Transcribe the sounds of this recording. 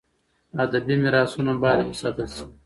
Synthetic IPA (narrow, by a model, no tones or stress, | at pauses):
ɐd̪ɐbimiɾaːsunɐbaːɾisɐb̪ɐsi̥